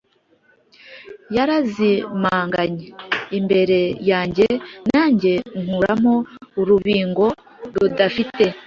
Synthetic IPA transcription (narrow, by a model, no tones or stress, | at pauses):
jaɾazimaːŋɡaɲeimbe̞ɾe̞jaːɲɟe̞naːɲɟe̞ŋhuɾamo̞uɾuβiːŋɡo̞ | ɾudafite̞